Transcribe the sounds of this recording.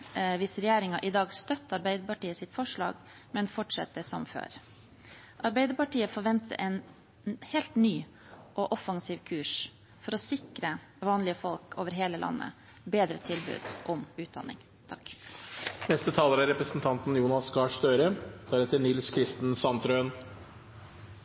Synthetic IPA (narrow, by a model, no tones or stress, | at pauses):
ʋɪsɾɛjæːɾɪŋɑʔɪd̪ɑːɡst̪œt̪ːɑɾbæɪd̪əpɑʈiːəsɪt̪fɔʂɭɑ̰ːɡ | mɛnfɔʈʂɛ̰t̪ːəsɔ̰mfø̰ːɾ | ʔɑɾbæɪd̪əɾpɑʈiːəfɔɾʋɛnt̪ə̰ʔɛn | heːlt̪nyː | ʔɔʔɔfɑŋsiːʋkʰʉːʂ | fɔɾɔsɪkɾə | ʋɑːnlɪəfɔlkʰoːʋəɾɦeːləlʔɑ̰nːə̰ | beːd̪ɾət̪ʰɪlbʉ̰ːd̪̥ʔɔmʉːt̪̚d̪ɑ̰nːɪ̰ŋ | t̪ʰɑk | nɛst̪ət̪ʰɑːləɾæɾɛpɾəsn̩t̪ʰɑnt̪n̩juːnɑsɡɑːʂt̪øːɾət̪ʰɑːɾɛt̪ːənɪlskʰɾɪst̪n̩sɑnt̪ɾøən